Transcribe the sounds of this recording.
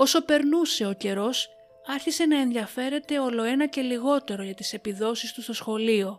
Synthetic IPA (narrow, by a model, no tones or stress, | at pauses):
o̞so̞pe̞ɾnuse̞o̞ce̞ɾo̞s | ɐɾçise̞nɐe̞nðiɐfe̞ɾe̞t̪e̞o̞lo̞e̞nɐce̞liɣo̞t̪e̞ɾo̞ʝɐt̪ise̞piðo̞sist̪ust̪o̞sxo̞lio̞